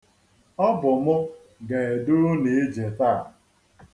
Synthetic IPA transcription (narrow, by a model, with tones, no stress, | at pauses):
ɔ˦bʊ˨mʊ˦ | ɡa˨e˨dʊ˦ɾʊ˦ne˨e˦d͡ʒe˨ta˦˨